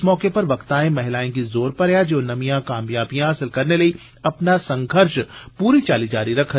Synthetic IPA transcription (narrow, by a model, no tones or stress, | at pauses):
mɔːkepɐɾʋɐkt̪ãːẽmɐɦɪlaːẽkizoːɾpɐɾjad͡ʒoːnɐmijãkaːmjaːbijãɐsɪlkɐɾnelɐi | ɐpnasɐ̃ŋɡʱəɾʃpuːɾit͡ʃaːlid͡ʒaːɾiɾɐkʰə